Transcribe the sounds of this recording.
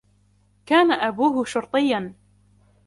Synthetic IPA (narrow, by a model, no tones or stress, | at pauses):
kaːnaʔabuːɦʊʃʊɾt̪ˤɨjːan